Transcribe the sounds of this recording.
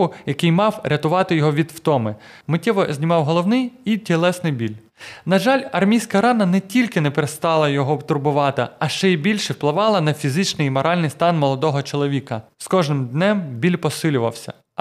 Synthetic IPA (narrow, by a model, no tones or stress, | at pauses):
ʊjɐkɪjmɑwɾʲɐt̪ʊʋɑt̪ɪjɔɦɔʋʲid̪wt̪ɔmɪmɪtʲɛʋɔzʲnʲimɑwɦɔlˠɔwnɪjitʲelˠɛsnɪjbʲilʲ | nɐʒɑlʲɐrmʲijsʲkɐɾɑnɐnɛtʲilʲkɪnɛpeɾest̪ɑlˠɐjɔɦɔbt̪ʊrbʊʋɑt̪ɪɐʃt͡ʃɛibʲilʲʃɛwplˠɪʋɑlˠɐnɐfʲizɪt͡ʃnɪjmɔɾʔɑlʲnɪjst̪ɑnmɔlˠɔd̪ɔɦɔt͡ʃɔlˠɔʋʲikɐskɔʒnɪmd̪nɛmbʲilʲpɔsɪlʲʊʋɐ̰wsʲɐ̰